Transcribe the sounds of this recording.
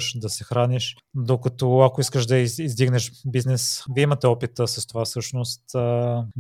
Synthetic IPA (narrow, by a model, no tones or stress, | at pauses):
ʃd̪ɐsɛxɾaniʃ | d̪okɐt̪oakoiskəʃd̪ɐizd̪iɡnɛʃbiznɛsviimɐt̪ɛɔpit̪əsɐst̪ovafsɤʃnost̪ː